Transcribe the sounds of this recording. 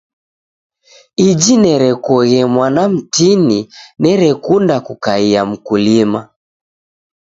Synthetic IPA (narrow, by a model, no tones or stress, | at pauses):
id͡ʒinɛɾɛkɔɣɛmwanam̩tininɛɾɛkundakukaiam̩kulima